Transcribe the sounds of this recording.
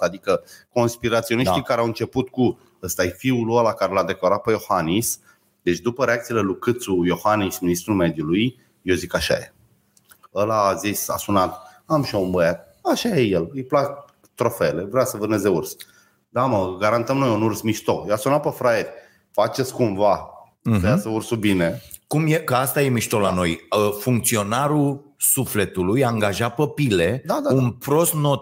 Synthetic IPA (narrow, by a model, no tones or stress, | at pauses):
ad̪ikəko̞nspiɾat̪sio̞niʃt̪ikaɾeawɨnt͡ʃe̞put̪ku | əst̪ajfiulualakaɾelad̪e̞klaɾat̪̚pejo̞xanis | d̪e̞t͡ʃd̪upəɾe̞akt̪sielelukɨt̪sujo̞hanisminist̪ɾume̞d̪juluj | jozikaʃa̰jḛ | əlazisa̰sunat̪ | amʃiounbəjat̪̚ | aʃajejelɨjplak | t̪ɾo̞fele̞vɾeasəvɨrnezeurs | d̪aməɡaɾant̪əmno̞junursmiʃt̪ojasunat̪̚pəfɾaeɾʲ | fat͡ʃet̪skumva | səjasəursubinekumjekəast̪aje̞miʃt̪olano̞jəfuŋkt̪sio̞naɾusufle̞t̪ulujaːŋɡaʒapəpile̞d̪ad̪aunpɾo̞st̪no̞t̪